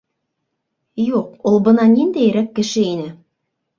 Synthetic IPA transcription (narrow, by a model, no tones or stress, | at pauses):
juqulˠbɤ̆nɑnind̪æjɘ̆ɾækːɘ̆ʃɘinɘ